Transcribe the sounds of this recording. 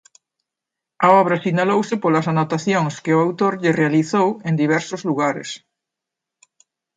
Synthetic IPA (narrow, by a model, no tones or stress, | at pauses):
aɔβ̞ɾɐsinalowsɪpolɐsanot̪aθjoŋskeʊawt̪oɾʎɪrealiθowend̪iβ̞ɛɾsozluɣaɾḛs